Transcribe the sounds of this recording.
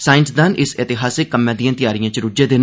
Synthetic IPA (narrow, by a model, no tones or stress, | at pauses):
saːɪnsd̪anʔɪsɪt̪ɪɦaːsɪkːəmːãːd̪ijãːt̪ɪjaːɾɪjãːt͡ʃɾʊd͡ʒeːd̪eːn